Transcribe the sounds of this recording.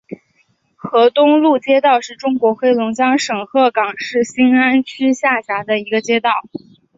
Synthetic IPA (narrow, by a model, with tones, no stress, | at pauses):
xɤ˧˥t̪ʊ˥ŋlu˥˩t͡ɕjɛ˥t̪ɑ˥˧ʊʂɻ̩˥˩ʈ͡ʂʊ˥ŋkwɔ˧˥xwe˥ɪlʊ˧˥ŋt͡ɕjɑ˥ŋʂɤ˨˩ŋxɤ˥˩kɑ˨˩ŋʂɻ̩˥˩ɕi˥ŋa˥nt͡ɕʰy˥ɕja˥˩ɕja˧˥d̪ə˧i˧˥ɡə˧t͡ɕjɛ˥t̪ɑ˥˩ʊ